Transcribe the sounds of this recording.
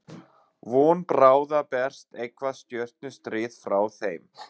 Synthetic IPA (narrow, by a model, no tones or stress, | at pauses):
vɔːnpɾaːwðapɛr̥st̪ejkvast̪jœr̥t̪̚nʏst̪ɾɪːðfɾaːwθejm